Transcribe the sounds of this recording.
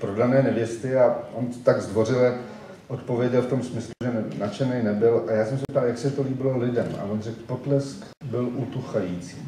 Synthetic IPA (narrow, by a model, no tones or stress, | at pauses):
pɾo̞danɛːnɛvjɛst̪ɪaʔont̪ot̪aɡzd̪vo̞rɪla | ʔo̞t̪po̞vjɛɟɛlft̪o̞msmɪsluʒɛnat͡ʃɛnejnɛbɪlʔajaːsɛmsɛp̚t̪aljaksɛt̪o̞liːbɪlo̞lɪdɛma̰vonrɛkpot̪lɛsk | bɪlʔut̪uxajiːt͡siː